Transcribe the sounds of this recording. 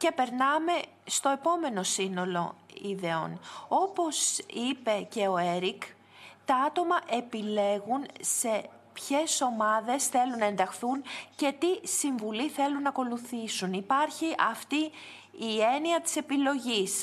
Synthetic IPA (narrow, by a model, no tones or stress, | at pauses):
ce̞pe̞ɾnɐme̞ | st̪o̞e̞po̞me̞no̞sino̞lo̞̰iðeo̞̰no̞po̞sipe̞ce̞o̞e̞ɾik | t̪ɐɐt̪o̞mɐʔe̞pile̞ɣunse̞ | pçe̞so̞mɐðe̞sθe̞lunːɐe̞nd̪ɐxθunce̞t̪isiɱvuliθe̞lunːɐko̞luθisunipɐɾçiʔɐft̪iː | e̞niɐt̪i̥se̞pilo̞ʝis